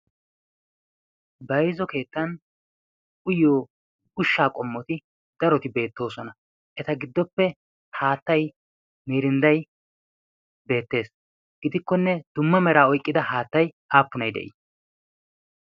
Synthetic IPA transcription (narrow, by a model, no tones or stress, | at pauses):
bɐjzɔke̞ːt̪ːɐn | ʊjoː | ʊʃːaːkʼɔmːɔt̪ɪ | d̪̥ɐɾɔt̪ɪbe̞ːt̪ːo̞ːsɔnɐ | ʔɛt̪ɐɡɪd̪ːɔpːɛ | haːt̪ːɐj | miːɾɪnd̪ɐj | be̞ːt̪ːe̞ːs | ɡ̥ɪd̪ɪkːɔnːɛd̪̥ʊmːɐmɛɾaːɔjkʼːɪd̪ɐhaːt̪ːɐjʔaːpːʊnɐjd̪ɛ̰ʔḭ